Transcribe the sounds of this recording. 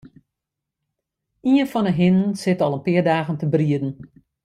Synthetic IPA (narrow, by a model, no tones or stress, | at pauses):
iənfɔnəɦɪnənsɪtɔlˠənpɪərdaːɣəntəbriədn̩